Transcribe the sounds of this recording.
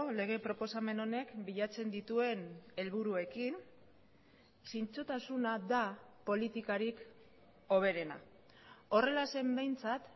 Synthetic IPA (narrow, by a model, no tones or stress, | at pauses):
le̞ɣ̞e̞pɾo̞po̞same̞no̞ne̞kbiʎat͡se̞nd̪it̪ue̞ne̞lβuɾue̞kin | sint͡sot̪asunaðapo̞lit̪ikaɾik | o̞β̞e̞ɾe̞na̰ | o̞re̞lase̞mbe̞jnt͡sat̪